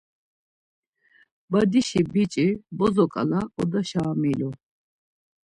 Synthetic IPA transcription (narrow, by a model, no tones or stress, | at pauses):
bad̪iʃibit͡ʃʼibɔzɔkʼa̰laɔd̪aʃaːmilɔ